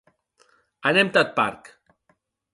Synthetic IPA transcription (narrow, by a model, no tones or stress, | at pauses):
anemt̪at̪̚pa̰ɾk